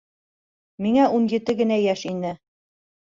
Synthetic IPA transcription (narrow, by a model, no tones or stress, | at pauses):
miŋæunjɘ̆t̪ɘɡɘ̆næjæʃinɘ